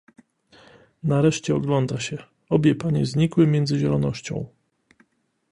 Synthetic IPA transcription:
naɾɛʂt͡ɕɛɔɡlɔnd̪aɕɛ | ɔbʲjɛpaɲɛzɲikwɘmʲjɛnd̪zɘʑɛlɔnɔɕt͡ɕɔ̰̃w̃

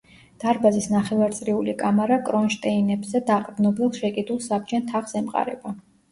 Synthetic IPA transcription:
d̪̥aɾbazisnaχɛvaɾt̪sʼɾiulikʼamaɾakʼɾɔnʃt̪ʼɛinɛbzɛd̪aqʼd̪nɔbilˠʃɛkʼid̪ulˠsab̚d͡ʒɛnt̪ʰaχsɛmqʼa̰ɾɛ̰ba

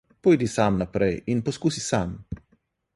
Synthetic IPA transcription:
pojd̪isamnapɾeinposkusisam

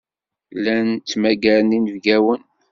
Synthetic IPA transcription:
lænt͡s̪ːmæɡæɾəninəvɡæwən

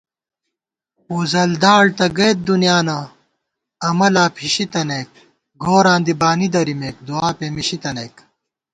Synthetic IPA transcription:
uzɐld̪aːɽt̪ɐɡeːt̪̚d̪unjaːnɐ | ɐmɐlaːpʰiɕit̪ɐnek̚ | ɡoːɾãːnd̪ibaːnid̪ɐɾimeːk̚d̪uaːpeːmiɕit̪ɐneːk

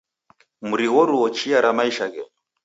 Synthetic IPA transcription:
muɾiwɔɾuɔt͡ʃiaɾamaiʃaɣɛɔ

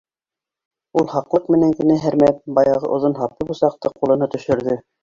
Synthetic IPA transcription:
ulˠhɑqlˠɤqmɘ̆næŋkɘ̆næɦæɾmæp̚bɑjɑʁɤ̰ʔŏðonɦɑp̚t̪ɤbusɑq̚t̪ɤqːulˠɤ̆nɤt̪ɵ̆ʃɵ̆ɾðɘ

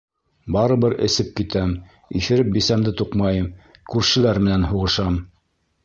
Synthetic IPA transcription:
bɑɾɤ̆βɤɾɘ̰̆sɘp̚kit̪æm | ḭθɘ̆ɾɘp̚bisæmd̪ɘt̪uqmɑjɤmkʉɾʃɘ̆læɾmɘ̆nænɦuʁɤ̆ʃɑm

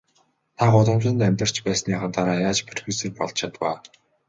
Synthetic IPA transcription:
t̪ʰaɢʊɮə̆mt͡ɕɪ̆nt̪aæmʲt̪ə̆r̥t͡ɕpæːsniːχat̪ʰaɾaːjaːt͡ɕpʰerxuseːkpɔɮt͡ɕʰat̪pa̰ː

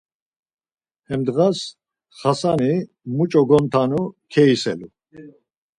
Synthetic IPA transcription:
hɛmd̪ɣas | χasani | mut͡ʃʼɔɡɔnt̪ʰanukʰɛisɛ̰lu

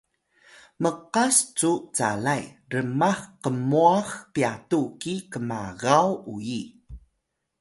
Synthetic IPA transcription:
məqast͡sut͡sa̰lajrəmaχqəmuaxpiatukikəma̰ɣawuji

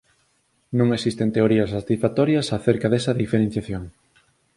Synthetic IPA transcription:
nũŋesist̪ent̪eoɾiɐsat̪isfat̪ɔɾjɐsaθeɾkɐðɛsɐðifeɾẽn̟θjaθjoŋ

